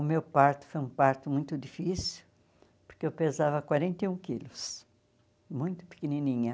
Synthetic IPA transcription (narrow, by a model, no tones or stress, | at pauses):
ʊmewpaɾt̪ʊ̥fojũpaɾt̪ʊmũj̃t̪ʊd̪ifisiʊw | poɾkeewpezavɐkwaɾẽnt̪eũkilʊs | mũj̃t̪ʊ̥pi̥keninĩɲɐ